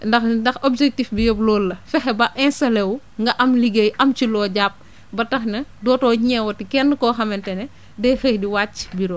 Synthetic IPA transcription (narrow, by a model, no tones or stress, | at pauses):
ndɐxndɐxɔbd͡ʒɛk̚tifbijɔblɔːlːɐfɛxɛbɐʔɛnsɐlɛw | ŋɡɐʔɐmliɡejʔɐmt͡ʃilɔːɟap̚ | bɐtɐxnɐdɔːtɔːɲɛwɐtikɛnːkɔːxɐmɛntɛnɛ | dɛxəhdiwaːt͡ʃːbiɾɔ